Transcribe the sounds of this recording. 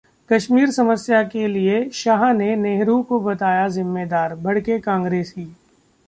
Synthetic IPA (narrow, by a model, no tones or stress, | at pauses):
kɐʃmiːɾsɐməsjakelieʃaːɦneneːɦɾukobɐt̪aːjazɪmːeːd̪aːɾbʱɐɽkekãːŋɡɾeːsiː